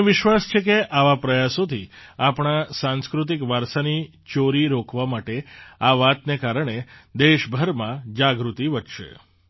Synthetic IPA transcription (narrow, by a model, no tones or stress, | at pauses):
ʋɪʃʋast͡ʃʰekeʔaʋapɾəjasot̪ʰiapɳasãnskɾut̪̬ikʋaɾsani | t͡ʃoɾiɾokʰʋamaʈeaʋat̪nekaɾəɳ̃ed̪eʃbʱəɾmãd͡ʒaɡɾut̪iʋəʈʃḛ